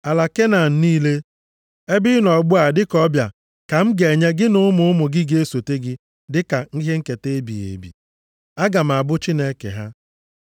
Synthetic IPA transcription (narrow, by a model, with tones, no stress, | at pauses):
a˨la˨ke˦na˨n̩˨niː˦le˦ | e˦bɪ˦nɔ˨ɡ͡bʊ˦a˨dɪ˦kɔ˦bja˨ | ka˨m̩˦ɡe˨ɲe˦ɡɪ˦nʊ˦ʊ˦mʊ˦ʊ˦mʊ˨ɡɪ˦ɡe˦so˨te˦ɡɪ˦ | dɪ˦ka˨ŋ̩˦ɦe˦ŋ̩˦ke˨te˦e˦bḭ˨jḛ˨bḭ˨ | a˦ɡa˨m̩˨a˨bʊ˦t͡ʃi˦ne˦kḛ˨ɦa˦